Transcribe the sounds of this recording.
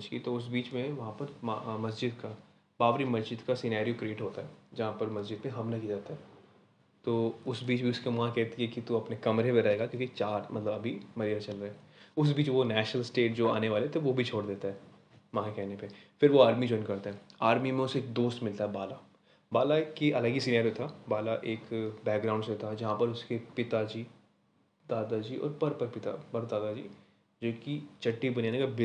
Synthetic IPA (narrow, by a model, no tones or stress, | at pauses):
t͡ʃkit̪oʊs̬biːt͡ʃmẽʋɐɦãpɐɾmɐsd͡ʒɪd̪ka | baːʋɾimɐzd͡ʒɪd̪kasɪnaːɾijokɾieːʈɦoːt̪aɦɛːd͡ʒɐɦãpɐɾmɐsd͡ʒɪd̪mẽɦɐmlakid͡ʒaːt̪aɦɛ | t̪oːʊsbiːt͡ʃbʱiʊskemɐãkɛɦt̪iɛkit̪uɐpnekɐmɾepẽɾɐɦeːɡakjõːkit͡ʃaːɾmɐ̰t̪ləbɐbʱimɐɾijəɾt͡ʃɐlɾɐɦeɛ | ʊs̬biːt͡ʃʋonɛːʃnəlsʈeːʈd͡ʒoːa̰ːneʋaːlet̪ʰeʋobʱit͡ʃʰoːɽd̪eːt̪aɦɛː | mãːɦkɛɦnepefɪɾʋoaːɾmid͡ʒɔːɪ̃nkɐɾt̪aɦɛaːɾmimẽʊseːk̚d̪oːst̪mɪlt̪aɦɛbaːla | baːlakiʔɐləɡisiːnaɾot̪ʰabaːlaʔeːkbɛːk̚ɡɾãːʊ̃ɳɖset̪ʰad͡ʒɐɦãpɐɾʊskepɪt̪ad͡ʒiː | d̪aːd̪ad͡ʒiːɔ̰ːɾpɐɾpɐɾpɪt̪a̰pɐɾd̪aːd̪ad͡ʒḭː | d͡ʒoːkit͡ʃɐʈːibɐnijaːnekabɪ